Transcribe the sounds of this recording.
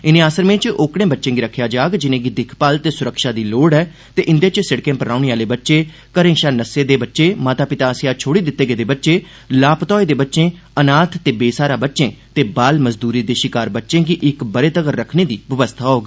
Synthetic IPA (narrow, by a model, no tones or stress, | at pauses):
ɪnẽːaːsəɾmẽːt͡ʃoːkɽẽːbətːʃẽːɡiːɾəkʰːjaːd͡ʒaːɡd͡ʒɪnẽːɡiːd̪ɪkʰpalt̪eːsʊɾəkʃaːd̪iːloːɽɛː | t̪eːʔɪnd̪eːt͡ʃsɪɽkẽːpəɾaːʊneːaːleːbətːʃeː | kəɾẽːʃaːnəseːd̪eːbətːʃeːmaːt̪aːpɪt̪aːsɪjaːt͡ʃʰoːɽiːd̪ɪt̪ːeːɡeːd̪eːbətːʃeː | laːpt̪ɔːeːd̪eːbətːʃẽː | ənaːt̪ʰt̪eːbeːsaːɾaːbətːʃẽːt̪eːbaːlməzd̪uːɾiːd̪eːʃɪkaːɾbətːʃẽːɡiːʔɪkbəɾeːt̪əɡəɾɾəkʰneːd̪iːʋəʋəst̪ʰaːɦoːɡ